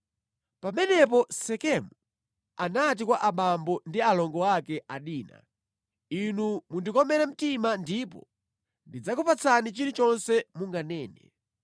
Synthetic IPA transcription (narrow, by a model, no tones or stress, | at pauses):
pamɛnɛp̬ɔsɛkɛmu | anat̬ikwaʔaɓambɔndialɔŋɡɔakɛʔaɗiːna̰ | inumundikɔmɛɾɛm̩timandipɔ̰ | ndid͡zakupat͡sʰanit͡ʃiɾit͡ʃɔnsɛmuŋɡanɛːnɛ̰